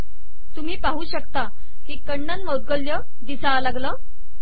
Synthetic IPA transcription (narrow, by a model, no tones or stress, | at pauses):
t̪um̤iːpaɦuːɕəkt̪a | kiːkəɳːənmowd̪̚ɡəljə | d̪isalaɡləː